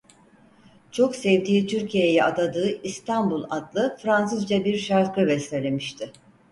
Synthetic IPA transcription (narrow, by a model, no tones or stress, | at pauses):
t͡ʃʰo̞ksɛvd̪iːt̪ʰyɾcʰijejɛad̪ad̪ɯːist̪ʰanbulˠad̪lˠɯfɾans̬ɯzd͡ʒabiɾʃaɾkɯbɛselʲemiʃt̪ʰɪ